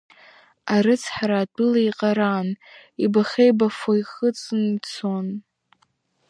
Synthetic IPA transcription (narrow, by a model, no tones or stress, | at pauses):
aɾɨt͡sʰħaɾaːdʼɨlaiqʼaɾanibaχʲejbafojχət͡sʼɨnt͡sʰon